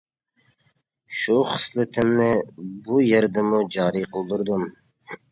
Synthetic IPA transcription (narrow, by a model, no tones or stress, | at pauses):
ʃuχə̥slˠɪt̪ʰɪmnɪbujeɾd̪ɪmud͡ʒɑːɾiqʰəlˠd̪uɾd̪um